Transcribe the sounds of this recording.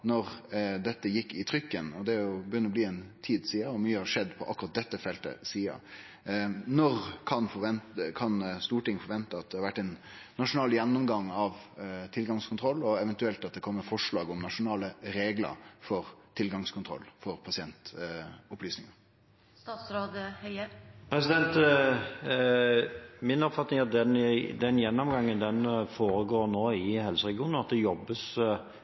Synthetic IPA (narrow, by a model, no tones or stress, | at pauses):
nɔɾd̪ɛt̪ːəjɪkːɪt̪ʰɾʏkːənɔd̪ɛæɾjʊbəjʏnəɾɔbliːɛnt̪ʰiːd̪siːəɔmyːəhɑʂɛd̪ːpʰɔʔɑ̰kːʊɾɑt̪̚d̪ɛt̪ːəfɛlt̪ə̰siːə̰ | nɔɾkʰɑnfɔʋɛnkʰɑnst̪uːʈɪŋːəfɔɾʋɛnt̪əɑt̪̚d̪ɛhɑɾʋæʈːɛɪnː | ɑʂʊnɑːljɛnːʊmɡɑŋɑʋt̪ʰɪlɡɑŋskʰʊnt̪ʰɾɔlːɔɛʋɛnt̪ʉɛlt̪ɑt̪̚d̪ɛkʰɔmːəfɔʂɭɑːɡɔmnɑʂʊnɑːləɾeːɡlə̰ɾfɔɾt̪ʰɪlɡɑŋskʰʊnt̪ʰɾɔ̰lːfɔɾpʰɑsɪɛnt̪ʊplyːsnɪŋɑ | sɾoːd̪əhœəpʰɾɛsɪd̪ɛnt̪ | mɪnɔpfɑt̪nɪŋæd̪ɛnd̪ɛnjɛnːɔmɡɑŋːənd̪ɛnfoːɾəɡoːɾnoːɪhɛlsəɾɛɡɪuːnnɑt̪̚d̪ɛjɔbːəs